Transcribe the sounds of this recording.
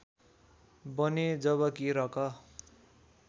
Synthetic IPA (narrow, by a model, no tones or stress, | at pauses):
bʌned͡zʌβʌkiɾʌkʌ